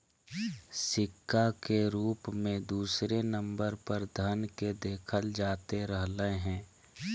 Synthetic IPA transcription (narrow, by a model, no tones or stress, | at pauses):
sɪkːakeɾuːpmẽd̪uːsɾenə̃mbəɾpəɾd̪ʱənked̪eːkʰəld͡ʒaːt̪eɾəɦləɦɛ̃ː